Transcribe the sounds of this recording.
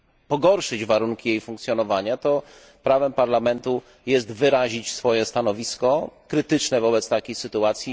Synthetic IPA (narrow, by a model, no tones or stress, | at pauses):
pɔɡɔɾʂɘd͡ʑvaɾuŋkʲijejfuŋkt̪sʲjɔnɔvaɲat̪ɔ | pɾavɛmpaɾlamɛnt̪u | jɛst̪vɘɾaʑit͡ɕsfɔjɛst̪anɔvʲiskɔkɾɘt̪ɘt͡ʂnɛvɔbɛt̪st̪akʲesɘt̪uat̪sʲji